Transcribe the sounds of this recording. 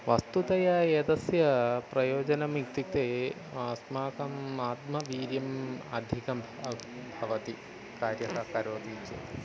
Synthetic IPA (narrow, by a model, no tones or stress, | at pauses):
ʋɐst̪ut̪ɐjaeːd̪ɐsjɐpɾɐjoːd͡ʒɐnɐmikt̪ik̚t̪eː | smaːkɐmaːt̪mɐʋiːɾjɐmɐ̰d̪ʱikɐ | bʱɐʋɐt̪i | kaːɾjɐɦɐkɐɾoːd̪id͡ʒḛ